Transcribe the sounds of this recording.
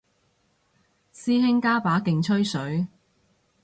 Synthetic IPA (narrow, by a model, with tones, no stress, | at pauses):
siː˥ɦɪ˥ŋkaː˥paː˨˥kɪ˨ŋt͡ʃʰɵ˥ɥsɵ˨˥ɥ